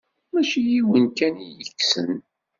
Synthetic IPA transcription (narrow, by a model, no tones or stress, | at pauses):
mæʃijiwənkænijəkːsə̰n